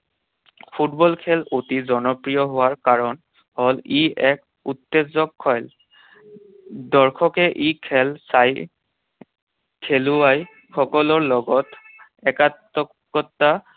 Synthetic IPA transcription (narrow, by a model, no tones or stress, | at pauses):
pʰutbɔlkʰɛlotizɔnɔpɹijɔɦʊwaɹkaɹɔn | hɔliɛk̚ | utːezɔkʰːɔjl | dɔɹkʰɔkɛʔikʰɛlsaj | kʰeluwaj | xɔkɔlɔɹlɔɡɔt | ɛkatːɔkː | ɔtːa